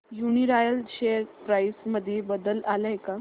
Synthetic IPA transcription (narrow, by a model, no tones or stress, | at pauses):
juniɾajəlɕeəɾpɾajsməd̪ʱːjebəd̪əlalajka